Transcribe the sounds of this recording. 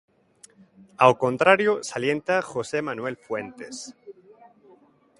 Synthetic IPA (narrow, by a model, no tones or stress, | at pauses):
awko̞nt̪ɾaɾjosalje̞nt̪axose̞mãnwe̞lfwe̞nt̪e̞s